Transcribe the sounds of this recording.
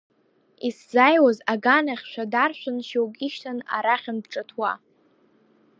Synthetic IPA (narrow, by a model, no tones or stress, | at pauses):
iszajwazaɡanaχʲʃʷᶣadarʃᶣʷʊnʃewkʼiʃtʰana̰ɾaχʲanbʈ͡ʂʼatʰwa̰